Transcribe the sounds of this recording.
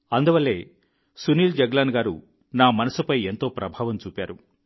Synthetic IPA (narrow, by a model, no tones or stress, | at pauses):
ɐnd̪uʋɐlːe̞̰ː | suniːld͡ʒɐɡlaːnɡaːɾṵ | naːmɐnɐsupɐje̞nt̪o̞ːpɾɐbʱaːʋɐmt͡ʃuːpʲaːɾu